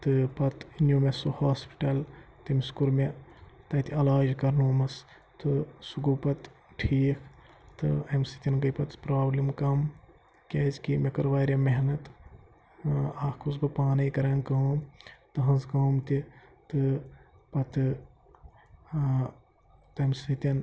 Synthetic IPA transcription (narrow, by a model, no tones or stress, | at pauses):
t̪ɨpɐt̪injuːmesuhaːspi̥ʈɐlt̪imiskuɾmet̪ɐt̪iɐlaːd͡ʒkɐɾnoːmɐs | t̪ɨsuɡupɐt̪ | ʈʰiːkʰ | t̪ɨɐmsit̪ʲinɡɐjpɐt̪pɾaːblimkɐm | kʲeːzkimekɐɾʋaːɾjɐmeɦnɐt̪ | akʰkʰusbɐpaːnɐjkɐɾɐːnkɐumt̪ɐɦɐ̃zkɐːmt̪it̪ɨ | pɐt̪ɨ | t̪ɐmsɨt̪ʲɐn